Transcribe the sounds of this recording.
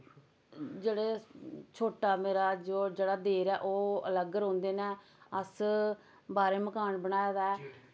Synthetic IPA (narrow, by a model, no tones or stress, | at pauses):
d͡ʒeːɽeːt͡ʃʰoːʈaːmeːɾaːd͡ʒoːd͡ʒeːɽaːd̪eːɾɛːʔoːə̰ləɡəɾõːnd̪eːnɛ̃ː | əs | baːɾeːməkaːnbəɳaːjaːd̪aɛː